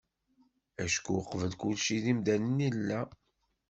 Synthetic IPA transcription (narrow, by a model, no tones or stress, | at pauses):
æʃkuqːvəlkulʃiðimd̪ænənilːæ